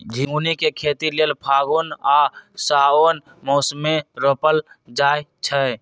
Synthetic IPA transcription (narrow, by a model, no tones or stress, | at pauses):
d͡ʒʱĩŋɡunikekʰet̪ilelpʰaːɡunasaːon | moːsmeɾopəld͡ʒaːjt͡ʃʰə